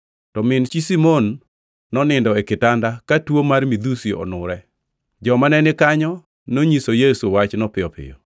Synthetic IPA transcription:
tɔmɪnt͡ʃisimonː | ɔnɪndɔɛkɪtandakatwomarmid̪usiɔ̰nʊɾɛ | d͡ʒɔmanɛnɪkaɲɔ | noɲisojesuwat͡ʃnɔpɪɔpɪ̰jɔ̰

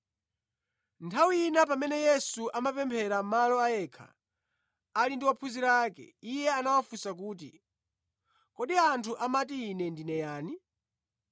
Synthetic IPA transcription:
ntʰawiinapamɛnɛjɛsuʔamapɛmpʰɛɾamalɔajɛːkʰa̰ | alindiwapʰuziɾaːkɛ̰ijɛanawafusak̬uːt̬ḭ | kɔɗiantʰuʔamatiːnɛndinɛjaːni

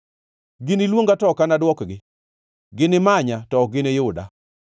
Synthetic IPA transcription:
ɡɪnɪlwoŋɡatɔkanadwɔkɡɪ | ɡɪnɪmaɲatɔɡɪnejʊda̰

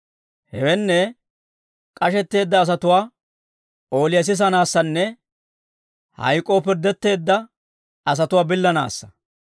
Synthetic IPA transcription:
hɛwɛnːɛ | kʼɐʃɛt̪ːe̞ːd̪ːɐːs̬ɐt̪ʊwaː | o̞ːlɪjɐs̬ɪs̬ɐnaːsːɐnːɛ | hɐ̰jkʼːo̞ːpɪɾd̪ɛt̪ːe̞ːd̪ːɐ | ɐs̬ɐt̪ʊwaːbɪlːɐna̰ːsːɐ̥

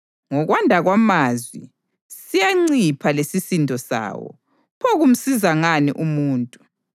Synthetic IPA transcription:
ŋɔɣwandʱaɣwamazwi | sijaŋ͡ǀipʰalesisindʱɔsa̰ːwɔ̰ | pʰɔɣum̩sizaŋanḭʔumuːntʼu

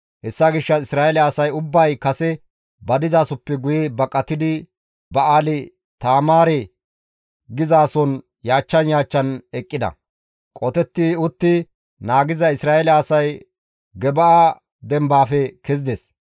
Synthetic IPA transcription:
hɛsːaɡɪʃːɐɪsɾaːɛlɐɐsɐjʊbːɐjkɐsɛ | bɐd̪ɪzaːsɔpːɛɡʊjɛbɐkʼːɐt̪ːɪd̪ɪ | bɐʔaːlɪ | t̪aːmaːɾɛ | ɡɪzaːsɔn | jaːt͡ʃːɐnjaːt͡ʃːɐnɛkʼːɪd̪ɐ̰ | kʼɔt̪ɛt̪ːiʊt̪ːɪ | naːɡɪzɐɪsɾaːɛlɐːsɐj | ɡɛbɐʔa | d̪ɛmbaːfɛkɛzɪd̪ɛs

